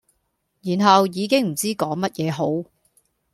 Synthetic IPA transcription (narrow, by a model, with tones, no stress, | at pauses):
jiː˨˩nɦɐ˨wjiː˨˧kɪ˥ŋm̩˨˩t͡siː˥kɔː˨˥ŋmɐ˥t̚jɛː˨˧ɦo˨˥w